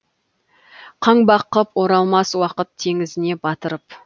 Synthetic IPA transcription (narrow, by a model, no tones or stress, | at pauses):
qʰɑɴbɑqəpwoɾɑlˠmɑswɑqət̪ʰːe̞ŋɪzɪne̞bɑt̪əɾəp